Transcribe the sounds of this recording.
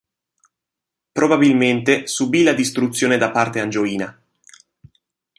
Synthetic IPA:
pɾobabilment̪esubilad̪ist̪ɾut̪sːjoːned̪apːart̪eand͡ʒoiːna

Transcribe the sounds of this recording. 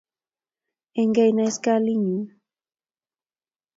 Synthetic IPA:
eŋɡajnajskaliɲi

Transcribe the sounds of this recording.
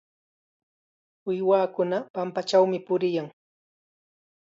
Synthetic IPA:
wɪjwaːkʊnapampat͡ʃawmɪpʊɾɪjaŋ

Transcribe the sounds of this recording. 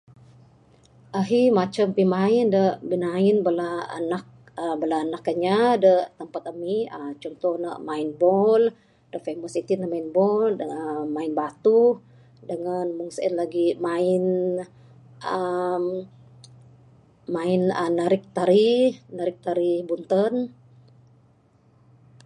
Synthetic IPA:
ʔaɦimat͡ʃəmpimaɪndəʔbinaɪnbəlaə̰nak̚ | əbəlaənakːəɲadəʔt̪əmpat̪̚əmiət͡ʃɔnt̪ɔhnə̰ʔmainbɔl | d̥əʔfeməsit̪inəmainbɔləəmaɪnbat̪u | dəŋanmuŋsəənlaɡimaɪn | əm | maɪnənəɾɪk̚t̪aɾinəɾɪk̚t̪aɾibunt̪ən

